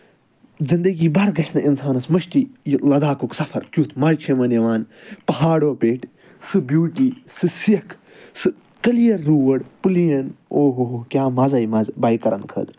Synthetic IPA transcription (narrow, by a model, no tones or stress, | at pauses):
zind̪ɐɡiːbɐɾɡɐʃʰnɨʔinsaːnɐsmɐʃʈijlɐd̪aːkuksɐfʰɐɾkʲjut̪ʰmɐlt͡ʃʰemɐneʋaːnpɐɦaːɽoːpeːʈ | sɨbjuːʈiːsɨsiɐkʰ | sɨ | kɐlijɐɾːuːʋɐɽpɨlijɐnoːɦoɦkʲjaːmɐzɐːjmɐzbajkɐɾɐ̰nkʰɐ̰d̪